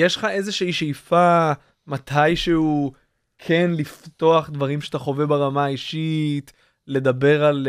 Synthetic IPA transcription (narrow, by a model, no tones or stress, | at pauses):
jeʃlχaʔe̞zeʃeiʃejfa | mat̪ʰajʃeu | kʰe̞nlift̪o̞aχd̪vaʁimʃet̪aχo̞vebaʁamaːiʃit̪ | le̞d̪abe̞ʁal